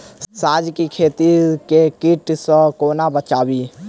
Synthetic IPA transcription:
saːd͡ʒkikʰeːt̪ikekiʈsəkoːnabət͡ʃaːwiː

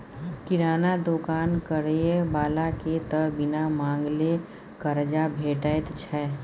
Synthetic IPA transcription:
kɪɾaːnad̪oːkaːnkəɾeebaːlaket̪əbɪnamãːŋɡle | kəɾd͡ʒabʱeːʈəjt̪t͡ʃʰɛː

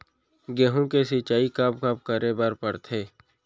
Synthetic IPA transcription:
ɡeɦũkesit͡ʃaːikabkəbkəɾebəɾpəɾt̪ʰeː

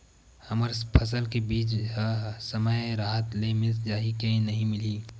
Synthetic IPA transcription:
hɐməɾpʰəs̬əlkebiːt͡ʃ | səməjɾaːɦət̪lemɪzd͡ʒaːɦikẽĩnɐɦĩmɪliː

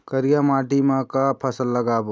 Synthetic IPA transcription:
kəɾijamaːʈimãkapʰəsəlːəɡaːbo

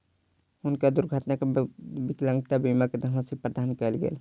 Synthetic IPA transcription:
ʊnkad̪ʊɾɡʱat̪nakebɪklə̃ŋɡt̪abimaked̪ʱəmasipɾəd̪aːnkɛlɡḛl

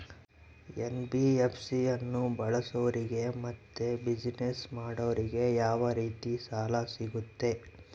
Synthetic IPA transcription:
enbiepʰsiɐnːubɐɭɐsɐʋɐɾiɡe̞mɐt̪ːebid͡ʒnesmaːɽɐʋɐɾiɡe̞jaːʋɐɾiːt̪isaːlasiɡut̪ːe̞

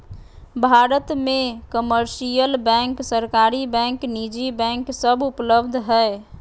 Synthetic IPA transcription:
bʱaɾət̪mekəməɾsijəlbɛ̃ŋksəɾkaɾibɛ̃ŋknid͡ʒibɛ̃ŋksəbupləbd̪ʱɦəɪ

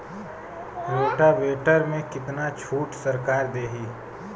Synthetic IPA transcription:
ɾeːʈabeːʈəɾmẽkɪt̪nat͡ʃʰuːʈsəɾkaːɾd̪eːɦiː

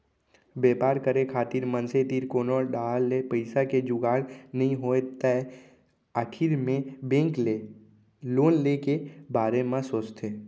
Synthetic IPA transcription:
beːpaːɾkəɾekʰaːt̪iːɾmə̃nset̪iːɾkoːnoːɖaːlːepəɪsaked͡ʒʊɡaːɽnəɦĩɦoːet̪ɛ | əʈʰiɾmẽbẽːŋke | loːnlekebaːɾemãsoːt͡ʃt̪ʰeː

